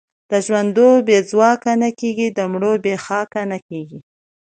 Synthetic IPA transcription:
d̪̥əʒwand̪obed͡zwɑkanakeɡid̪əmɽobexɑkanakeɡi

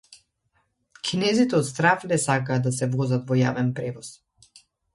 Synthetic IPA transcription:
kʰinɛzit̪ɛɔt̪st̪ɾaflɛsakaːd̪asɛvɔzat̪vɔjavɛnpɾɛvɔs

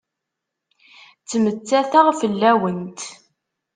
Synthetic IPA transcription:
t͡sːmət͡sːæθaʁfəlːæwənt̪

